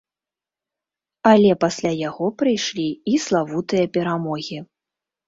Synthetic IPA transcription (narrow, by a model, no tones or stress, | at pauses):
alʲɛpasʲlʲajaɣɔpɾɨjʂlʲiislˠavut̪ɨjɐpʲɛɾamɔɣʲi